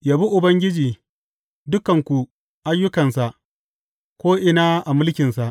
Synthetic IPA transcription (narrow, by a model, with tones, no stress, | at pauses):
jaː˨bi˦ʔʊ˨bɐ˦ŋɡʲɪ˦d͡ʒiː˨ | dʊ˦kɐ˨ŋkʷu˨ | ʔa˦jːʊ˦kɐ˨nsa˨ʔ | kʷoː˦ʔɪ˨naː˦ʔa˨mʊ˦lkʲɪ˨nsa˨ʔ